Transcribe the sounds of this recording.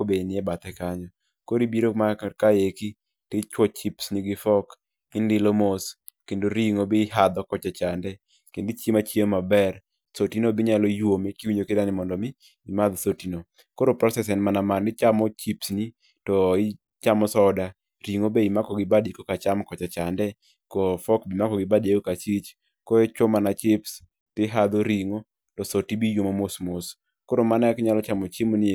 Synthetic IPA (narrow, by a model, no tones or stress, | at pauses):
kobenɪɛbat̪ɛkaɲɔ | koɾibiɾomakajeki | tɪt͡ʃwɔt͡ʃipsniɡɪfɔk | ɪndɪlomos | kendoɾiŋobɪɦad̪ɔkɔt͡ʃat͡ʃandɛ | kendit͡ʃemat͡ʃjemabɛr | sotinobɪɲalojwomekiwiɲokɪdanɪmɔndɔmɪ | imad̪sotino | koɾopɾɔsɛsɛnmanamanɪt͡ʃamɔt͡ʃipsni | tɔɪ | t͡ʃamɔsɔda | ɾiŋobeimakɔɡɪbadikɔkat͡ʃamkɔt͡ʃat͡ʃandɛ | kɔfɔkbɪmakɔɡɪbadeɡokat͡ʃit͡ʃ | kɔɛt͡ʃɔmanat͡ʃɪps | pɪɦad̪oɾiŋo | tɔsotibijwomomosmos | koɾomanaakɲalɔt͡ʃamɔt͡ʃemonɪ